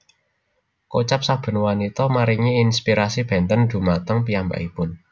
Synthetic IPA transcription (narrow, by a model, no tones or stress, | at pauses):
kot͡ʃap̚sab̥ə̤nwanit̪ɔmaɾiŋiːnspiɾasib̥ɛ̤nt̪ənd̪̥ṳmat̪əŋpiamba̰ʔipʊn